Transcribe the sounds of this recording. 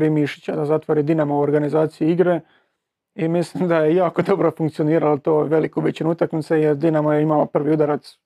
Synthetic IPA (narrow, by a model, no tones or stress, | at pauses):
ɾimiʃi̥t͡ɕad̪azat̪ʋoɾid̪inamouoɾɡanizaːt̪sijiiɡɾe | imislimd̪aje̞jaːko̞d̪o̞bɾofuŋkt̪sioniːɾalot̪oːʋe̞likubit͡ɕinuut̪akmit̪sejeɾd̪inamojeimalopr̩ʋiud̪aɾat̪s